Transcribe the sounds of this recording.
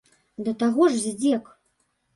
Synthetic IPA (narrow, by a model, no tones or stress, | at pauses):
d̪ɐt̪aɣɔʐzʲd͡zʲɛk